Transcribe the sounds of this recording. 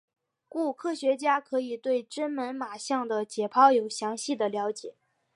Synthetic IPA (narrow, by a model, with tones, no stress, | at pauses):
ku˥˩kʰɤ˥ɕɥɛ˧˥t͡ɕja˥kʰɤ˧˥i˨˩t̪we˥˩ɪʈ͡ʂə˥nmə˧˥nma˨˩ɕjɑ˥˩ŋd̪ə˩t͡ɕjɛ˨˩pʰɑ˥ʊjo˨˩ʊɕjɑ˧˥ŋɕi˥˩d̪ə˩ljɑ˧˥ʊt͡ɕjɛ˨˩˦